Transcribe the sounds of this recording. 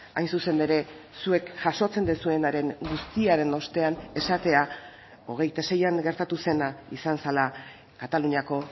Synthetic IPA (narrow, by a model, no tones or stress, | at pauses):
a̰jnsuse̞ne̞ɾe̞ | sue̞kʝaʃo̞t͡se̞nd̪esue̞naɾe̞ŋɡust̪iaɾe̞no̞st̪e̞ane̞sat̪e̞a | o̞ɣ̞e̞jt̪ase̞jaŋɡe̞ɾt̪at̪use̞naisansala | kat̪aluɲiako̞